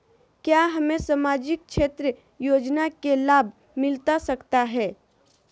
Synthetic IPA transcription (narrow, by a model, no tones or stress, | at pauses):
kjaɦɐmẽsamaːd͡ʒɪk̚t͡ʃʰeːt̪ɾə | joːd͡ʒnakelaːbʱ | mɪlt̪asɐkt̪aɦɛː